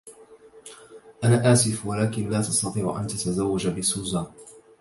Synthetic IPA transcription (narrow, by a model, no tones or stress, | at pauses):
ʔanaːʔaːsɪfwalaːkɪnlaːt̪ɑst̪ɑt̪ˤiːʕʊ̰ʔa̰nt̪at̪azawːad͡ʒabɪsuːzaːn